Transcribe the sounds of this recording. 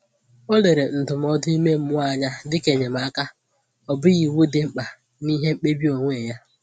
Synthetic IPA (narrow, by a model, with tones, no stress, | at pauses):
o˦le˨ɾe˨n̩˨tʊ˨m˨ɔ˦dʊ˦i˦me˦m̩˦mʊ˦a˦˨ɲa˦dɪ˦ke˨ɲe˨m̩˨a˦ka˦ | ɔ˨bʊ˦ɣi˨wu˦dɪ˨ŋ͡m̩˦k͡pa˨ | ni˦ɦe˦ŋ͡m̩˦k͡pe˦bi˦o˨ŋʷe˦˨ja˦